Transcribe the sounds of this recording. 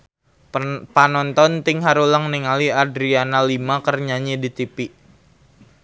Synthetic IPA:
panɔnt̪ɔnt̪ɪŋɦaɾulaŋniŋaliadɾianalimakərɲaɲidit̪ipiʔ

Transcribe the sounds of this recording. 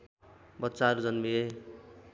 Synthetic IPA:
bʌt̪ːsaʌɾud͡zʌnmie

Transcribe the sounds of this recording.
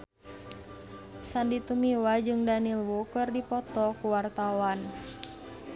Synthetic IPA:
sandit̪umiwad͡ʒɨŋdanilwukɨrdipɔt̪ɔkuwart̪awan

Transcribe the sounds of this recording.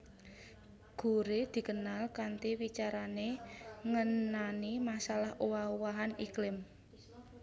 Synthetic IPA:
ɡ̥ṳɾed̪̥i̤kənalkant̪iwit͡ʃaɾaneŋənanimasalahʔowauwaɦaniklɪm

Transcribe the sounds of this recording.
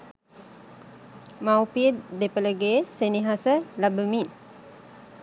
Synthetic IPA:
maupidepələɡesəniɦasəlabəmin

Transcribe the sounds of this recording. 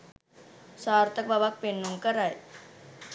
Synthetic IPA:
saːɾt̪ək̚babak̚penːuŋkəɾaj

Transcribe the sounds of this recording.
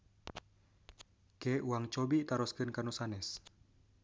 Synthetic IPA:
kɛʔuwaŋt͡ʃɔbit̪aɾɔskɨnkanusanɛs

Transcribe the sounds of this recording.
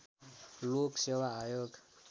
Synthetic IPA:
loksewaːjoɡ

